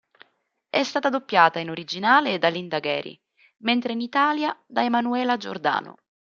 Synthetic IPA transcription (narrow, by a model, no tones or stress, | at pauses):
ɛst̪aːt̪ad̪opːjaːt̪ainoɾid͡ʒinaːleːd̪ːalind̪aɡɛːɾḭ | ment̪ɾeinit̪aːljad̪aemanuɛːlad͡ʒo̰rd̪a̰ːnʊ̰